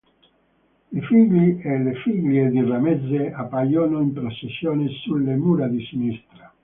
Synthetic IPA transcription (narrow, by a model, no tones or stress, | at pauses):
lefiɡlielefiɡljed̪iramed̪zeapːajoːnoimpɾosesːjoːnesulːemuːɾad̪isinist̪ɾa